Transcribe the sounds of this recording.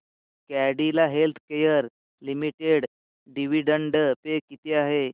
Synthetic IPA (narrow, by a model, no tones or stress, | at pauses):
kæɽilaɦelt̪ʰkejəɾ | limiʈeɽ | ɖiʋiɖəɳɖpekit̪eaɦe